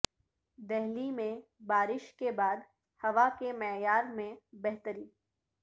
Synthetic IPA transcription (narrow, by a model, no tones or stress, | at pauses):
d̪ɛɦlimẽbaːɾɪʃkebaːd̪ | hɐʋakemɛːjaːɾmẽbɛɦt̪əɾiː